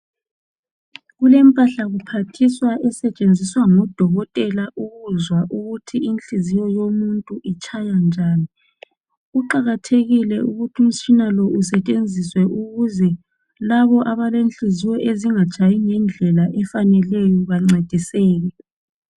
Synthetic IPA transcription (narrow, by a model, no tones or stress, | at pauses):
ɣulɛmpʼaɬaɣupʰatʰiswaʔɛsɛt͡ʃʼend͡zʱiswaŋɔd̥ʱɔɣɔtʼɛlaʔuɣuzwaʔuɣutʰiinɬizijɔjomuntʼuʔit͡ʃʰʼajand͡ʒʱaːni | ɣuǃaɣatʰeɣilɛuɣutʰium̩t͡ʃʰʼinalɔʔusɛt͡ʃʼend͡zʱiswɛʔuɣuzɛ | laβɔʔaβalenɬizijɔʔeziŋat͡ʃʰʼajiŋɛnd͡ɮʱɛlaʔɛfanɛlɛjɔβaŋ͡ǀed̥ʱisɛːɣɛ